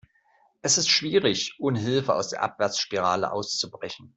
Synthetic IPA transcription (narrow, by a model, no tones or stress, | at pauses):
ʔɛsɪstʃv̥iːʁɪçʔʊnɦɪlfəa̰ʊsd̥eːɐʔa̰pv̥ɛɐt͡sʃpiʁ̞aːlə̰ʔa̰ʊst͡subʁɛçn̩